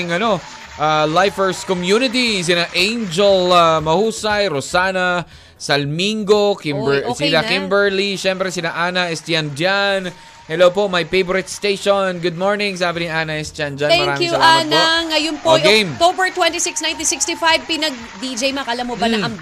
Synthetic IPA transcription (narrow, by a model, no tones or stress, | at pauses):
ɪŋɐno̞ | ʔalajfɛɹskɔmjunɪt̪̬is̬ɪnaʔẽjnd͡ʒɛlamɐhuːsɐjɾosaːnɐ | sɐlmiŋɡokɪmbsilakɪmbɛɹliʃɛmpɾɛsɪlaʔanɐɛst̪jand͡ʒan | hɛlowpoʔmɐjfejboɾɪt̪st̪ejʃonɡʊd̪̚moɹnɪ̃ŋsaːbɪniʔaːnɐɛst̪jand͡ʒant̪ɛmɐŋɾaːmjusɐanaŋːɐjʊnpoɡemt̪obɛɹt̪wɛnt̪isɪksnãj̃nt̪isɪkst̪ifajvpinɐɡ̚d̪id͡ʒejmakɐlamobɐaɐ